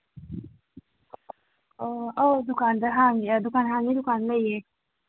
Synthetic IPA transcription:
ood̪ukaːnd̪aɦaŋd̪ukaːnɦaŋɡid̪ukaːnlaje

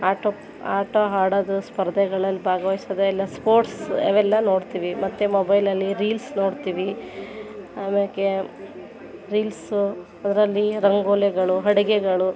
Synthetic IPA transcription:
aːʈo | aːʈoɦaːɽɐd̪uspɐɾd̪ʱɛɡɐɭɐlːibʱaːɡɐʋɐjsɐd̪eɛlːɐspoːɾʈseʋɛlːɐno̞ːɖt̪iːʋimɐt̪ːemobɐjlɐlːiɾiːlsno̞ːɖt̪iːʋi | aːmeke | ɾiːls | ɐd̪ɐɾɐlːiɾɐŋɡoːlɛɡɐɭuɦɐɽiɡeɡɐɭu

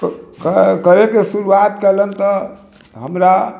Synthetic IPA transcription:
kkəɾekesuɾuat̪kelənt̪ɔ | ɦəmɾa

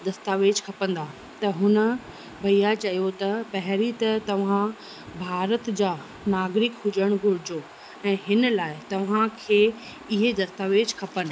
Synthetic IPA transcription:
d̪ɐst̪aːʋeːd͡ʑkʰɐpə̃nd̪a | t̪ɐɦʊnə̆ | bʱɐijat͡ɕɐijot̪ɐpɐɦɪɾit̪ɐt̪ɐʋ̤ã | bʱaːɾət̪d͡ʑaː | naːɡɾɪkɦʊd͡ʑəɽ̃ɡʱʊɾɪd͡ʑoː | ɛ̃ːɦɪnlaːɪt̪ɐʋ̤ãkʰeː | ɪɦed̪ɐst̪aːʋeːd͡ʑkʰɐpənɪ̆

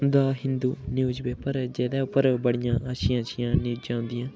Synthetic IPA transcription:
nd̪aːɦɪnd̪uːnjuːzbɛːpəɾd͡ʒɛːd̪ɛːʊpːəɾbəɽɪjãːʔaːʃɪjãːʃɪjãːniːd͡ʒãːnd̪ɪjãː

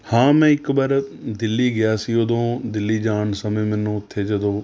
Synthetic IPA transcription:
hãːmɛ̃ːɪkbaːɾd̪ɪlːiːɡɪjaːsiːoːd̪õːd̪ɪlːiːd͡ʒaːɳsəmẽːmɛːnũːʊt̪ʰːeːd͡ʒəd̪õː

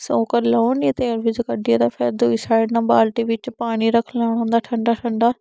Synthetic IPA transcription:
sõːkəɾloːnĩt̪eəɾʋɪd͡ʒkəɖied̪aːfʰɛːd̪oːɪsaːɪɖnãːbaːlʈiʋɪt͡ʃpaːɽ̃iɾəkʰlaːɳ̃ãːnd̪aːʈʰə̃ɳɖaːʈʰəɳɖaː

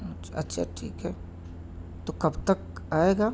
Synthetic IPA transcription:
t͡ʃɐ̰tːʃʰa̰ʈʰḭːkɦɛː | t̪okɐbt̪ɐk̚ | aːeːɡaː

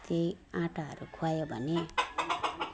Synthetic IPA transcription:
t̪ei | ãʈaɦʌ̰ɾukʰuajobʱʌne

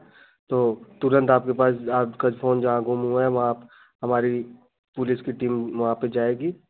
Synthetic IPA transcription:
t̪oːt̪ʊɾə̃nt̪aːp̚kepaːsaːkad͡ʒpfʰoːnd͡ʒɐɦãɡʊmɦuaɛʋɐɦã | ɦɐmaːɾi | pʊlɪskiʈiːmʋɐɦãped͡ʒaːeːɡiː

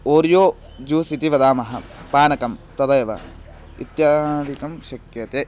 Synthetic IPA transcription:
oːɾjoː | d͡ʒuːsit̪iʋɐd̪aːmɐɦɐ̰paːnɐkɐmt̪ɐd̪ɐjɐʋɐ̰ | ḭt̪jaːd̪ʱikɐmʃɐkjɐt̪eː

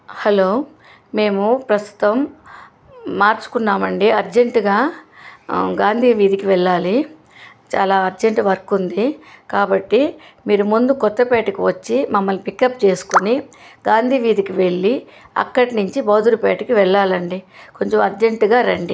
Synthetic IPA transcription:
hɐloː | me̞ːmupɾɐst̪u̥t̪ɐm | aːɾt͡ʃu̥kunːaːmɐɳɖiɐɾd͡ʒeɳʈuɡaː | ɡaːnd̪ʱiːʋiːd̪ikiʋɛɭːaːli | t͡ʃaːlaːɐɾd͡ʒeɳʈʋɐɾkːund̪ikaːbɐʈːimiːɾumund̪ukɔt̪ːɐpeːʈɐkiʋɐt͡ʃːimɐmːɐlpikːɐpt͡ʃe̞ːsu̥kuniɡaːnd̪ʱiːʋiːd̪ikiʋe̞ɭːi | ɐ̰kːɐʈinuɲt͡ʃibɐːd̪uɾupeːʈɐkiʋɛɭːaːlɐɳɖiko̞ɲt͡ʃomɐɾd͡ʒeɳʈuɡaːɾɐɳɖi

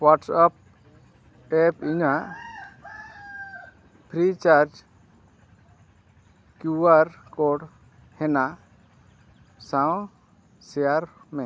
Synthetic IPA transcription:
waʈsap̚ | ɛpiɲaʔ | pʰɾit͡ʃaɾd͡ʒ | kjuaɾkɔɖ | hɛna | sãw̃ | sɛjaɾmɛ̃

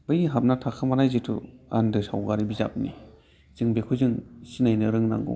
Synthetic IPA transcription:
bɯjiɦap̚natʰakʰamanajzɯtʰṵandɯsa̰wɡaɾibiza̰p̚ni | z̥ɯŋbekʰuzɯŋsinajnɯɾɯŋna̰ŋɡṵ

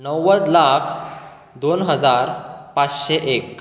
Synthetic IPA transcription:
nəwːəd̪lakʰ | d̪onɦəd͡zaɾpat͡sɕeʔek̚

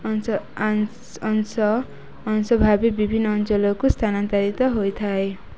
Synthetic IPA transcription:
ns | ʌnsʌbʱabibibʱinːʌːnt͡sʌlʌkost̪ʰanant̪aɾit̪ʌɦojt̪ʰae

